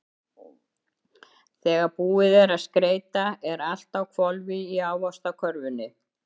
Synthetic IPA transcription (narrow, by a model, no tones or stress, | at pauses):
θɛːɣaɾpuːɪðɛɾaðskɾeːjt̪aɛɾal̥t̪awkʰvɔlvɪiaːwvɔst̪akʰœɾvʏnːɪ